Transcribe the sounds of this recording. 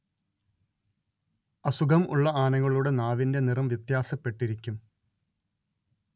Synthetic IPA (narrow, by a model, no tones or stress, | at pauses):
ɐsuɡʱɐmʔṵɭːɐaːnɐɣɐɭuɽe̞naːʋinde̞nirɐmʋjɐt̪jaːsɐpːe̞ʈːiɾikʲːum